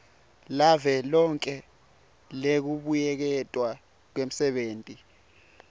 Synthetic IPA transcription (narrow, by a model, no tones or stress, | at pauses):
lavɛlɔŋkʼɛ | lek̬uɓujɛk̬ɛtʼwa | k̬wem̩sɛɓeːntʼi